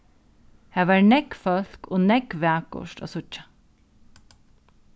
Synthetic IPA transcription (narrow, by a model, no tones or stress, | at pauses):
haːʋaːɹnɛkfœl̥koːnɛkʋaːkʊ̰ʃʈa̰sʊt͡ʃːḁ